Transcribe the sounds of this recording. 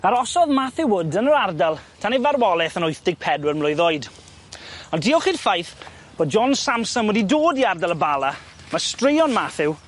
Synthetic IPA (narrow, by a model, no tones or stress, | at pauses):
aɾɔsɔðmaθɪwʊdənəɾardalˠtʰanevarwɔlˠɛθənʊjθd̥ɪɡ̚pʰɛdwərmlˠʊjðojd | ɔndiɔχiːdfajθ | b̥oːd̚d͡ʒɔnsamsɔnwɛdidoːdiardalˠəbalˠa | mastrɪjɔnmaθɪw